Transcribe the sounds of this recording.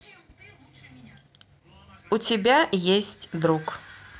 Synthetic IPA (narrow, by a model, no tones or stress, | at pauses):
ut͡sʲɪbʲajesʲt͡sʲd̪ɾuk